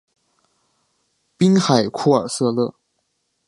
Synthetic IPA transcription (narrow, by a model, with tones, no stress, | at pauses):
pi˥ŋxa˨˩ɪkʰu˥˩ə˞˨˩sɤ˥˧lɤ˥˩